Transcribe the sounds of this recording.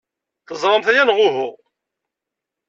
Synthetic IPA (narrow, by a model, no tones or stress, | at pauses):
θəzˤɾˤɑmθæjænʁʊɦʊʁ